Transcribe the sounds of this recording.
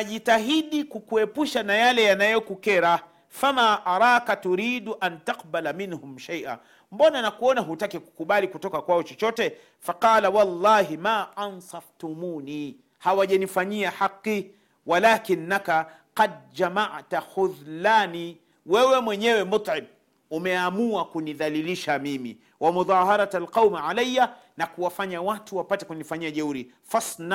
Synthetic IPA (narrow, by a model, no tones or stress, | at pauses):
aʄitaɦiɗikukuɛpuʃanajalɛjanajɔkukɛɾa | famaːʔaɾˤɑːkatuɾiːɗuʔantaqbalaminhʊmʃajʔa̰ | m̩bɔnanakuɔnaɦutakɛku̥kuɓalikutɔkakwaɔt͡ʃɔt͡ʃɔtɛ | faqɑːlawɑlˤːɑːɦimaːʔɑnsɑft̪umuːniː | hawaʄanifaɲiaħaqːi | walakinːakaqad̪̚d͡ʒamaʕtaxuðlaːni | wɛwɛmwɛɲɛwɛmʊt̪ˤʕɪm | umɛamuakuniðaliliʃamimḭ | wamuðˤɑːɦɑɾˤatalqawmʕalajːa | nakuwafaɲawatuwapatɛkunifaɲiaʄauɾi | fasn